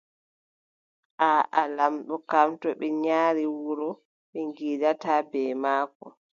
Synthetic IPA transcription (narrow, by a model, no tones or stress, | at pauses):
ʔaːʔalamɗɔkamtɔɓɛɲaːɾiwuɾɔ | ɓɛŋɡiːdatabɛːmaːkɔ̰